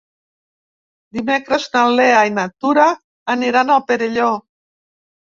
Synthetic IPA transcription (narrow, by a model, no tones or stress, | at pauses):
d̪imekɾəznaleajnat̪uɾaː | niɾanalpeɾeʎo